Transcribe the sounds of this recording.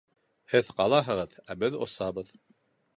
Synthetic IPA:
hɘðqɑlˠɑɦɤ̆ʁɤðæbɘðo̰sɑβɤð

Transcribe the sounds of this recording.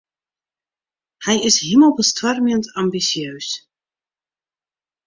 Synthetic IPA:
hɛjɪsɦiməlˠbəstwarməntɑmbisjøɥs

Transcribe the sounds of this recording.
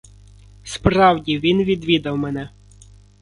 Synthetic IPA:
spɾɑwdʲiʋʲinʋʲid̪ʋʲid̪ɐwmɛnɛ

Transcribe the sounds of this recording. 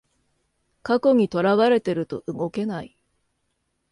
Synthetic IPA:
kako̞ɲ̟it̪o̞ɾaβaɾe̞t̪e̞ɾɯ̟t̪o̞ʔɯ̟ɡo̞ke̞nai

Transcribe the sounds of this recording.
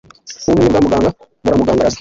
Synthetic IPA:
unuibuɾamuɡaːŋɡa | buɾamuɡaːŋɡaɾas

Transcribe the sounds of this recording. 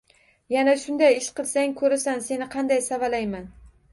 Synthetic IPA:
janaʃʊnd̪ajɪʃqɨlˠsaŋkʰɵɾasanse̞nɪqʰɑnd̪ajsavalajman

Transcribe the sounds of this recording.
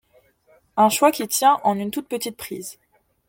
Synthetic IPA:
ɛ̃ʃwakʲit̪jɛ̃ʔɑ̃nynt̪ut̪̚pət̪it̪̚pχḭːz

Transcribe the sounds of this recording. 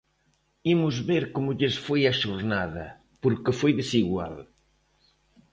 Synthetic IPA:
imʊzβeɾkomʊʎesfojaʃoɾnaðɐ̰ | poɾkefojðesiɣwa̰l

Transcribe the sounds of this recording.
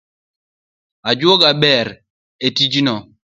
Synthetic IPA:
ad͡ʒwɔɡabɛɾ | etid͡ʒnɔ

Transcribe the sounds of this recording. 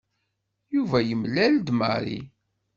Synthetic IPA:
juvæjəmlæld̪mə̰ɾḭ

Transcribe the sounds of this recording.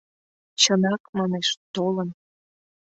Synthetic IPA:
t͡ɕənɑkmɑneʃt̪olən

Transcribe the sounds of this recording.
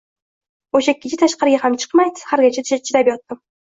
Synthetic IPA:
oʃaekʲʰːɪt͡ʃʰɪt̪ʰaʃqɑɾɪɡʲahamt͡ʃʰɨ̥qmajd̪ɪ̥haɾɡʲat͡ʃʰat͡ʃʰɪɾabjɒt̪ːɪm

